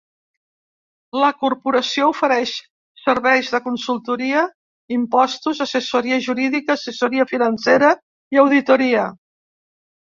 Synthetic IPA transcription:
ləkurpuɾəsioufəɾɛʃ | səɾβɛjʒðəkunsulˠt̪uɾiə | impɔst̪uzəsəsuɾiəʒuɾiðikəːsəsuɾiəfinənseɾə | iəwðit̪uɾiə

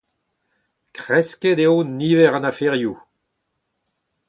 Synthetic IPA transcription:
kʁɛsked̪eoniːvɛʁɑ̃nafeʁju

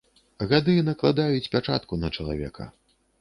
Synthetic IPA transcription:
ɣad̪ɨnɐklˠad̪ajut͡sʲpʲat͡ʂa̰t̪kunɐt͡ʂɐlˠa̰vʲɛ̰kʰɐ̰

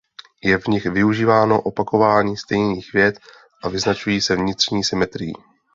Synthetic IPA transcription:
jɛvɲɪxvɪuʒiːvaːno̞ʔo̞pako̞vaːɲiːst̪ɛjniːxvjɛt̪ | ʔavɪznat͡ʃujiːsɛvɲɪt̪r̝̥ɲiːsɪmɛt̪ɾɪjḭː

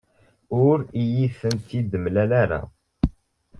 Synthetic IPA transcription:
ʊɾijiθənt̪id̪əmlælæɾa̰

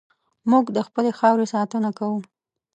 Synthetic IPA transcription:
muɡd̪əxpəlexɑwɾesɑt̪ənakawu

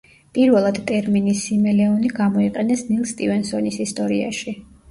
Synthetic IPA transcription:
pʼiɾvɛlˠad̪̥t̪ʼɛɾminisːimɛlɛɔniɡamɔiqʼɛnɛsnilˠst̪ʼivɛnsɔnisist̪ʼɔɾia̰ʃi

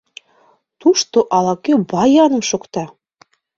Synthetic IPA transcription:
t̪uʃt̪oʔɑlˠɑkʲøbɑjɑnɤ̆mʃŏkt̪ɑ

